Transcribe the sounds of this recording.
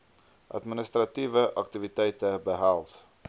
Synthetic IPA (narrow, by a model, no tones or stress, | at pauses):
ʔa̰d̪minist̪ɾat̪iːvəʔakt̪ivit̪ɛjt̪əbəɦalˠt